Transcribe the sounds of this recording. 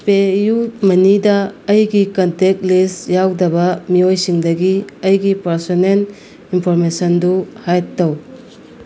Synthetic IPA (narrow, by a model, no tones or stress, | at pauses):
pejut̚mɐnidɐːjɡikɐntek̚lisjawdɐbɐmiojsiŋdɐɡiɐjɡipɐɾsɔnel | inpʰɔɾmesɐnduhajtːɐw